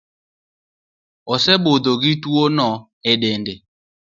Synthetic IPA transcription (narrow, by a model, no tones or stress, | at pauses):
ɔsɛbod̪oɣituonɔ | ɛɗɛndɛ